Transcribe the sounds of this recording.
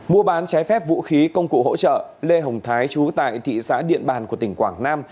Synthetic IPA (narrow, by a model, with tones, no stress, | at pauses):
mu˧əɓaː˨˦nt͡ɕaː˨˦jfɛ˦˥p̚vṵ˧˥xi˨˦kə˧wŋ͡mkṵ˧˨ho̰˧˥t͡ɕə̰ː˧˨le˧ɦə˨˩wŋ͡mt̪ʰaː˨˦jt͡ɕu˨˦t̪a̰ː˧˨jt̪ʰḭ˧˨sa̰ː˧˥ɗḭ˧˨ənɓaː˨˩nku˧˩ət̪ï˧˩ŋ̟kwaː˧˩ŋnaː˧m